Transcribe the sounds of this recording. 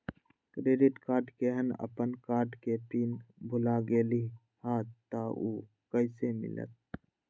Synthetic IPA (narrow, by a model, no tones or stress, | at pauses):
kɾeːɖɪʈkaːɾɖkeɦənə̰pənkaːɾɖkepiːnbʱʊlaɡeːli | haːt̪ːaʔuː | kəɪsemɪ̰lə̰t̪̚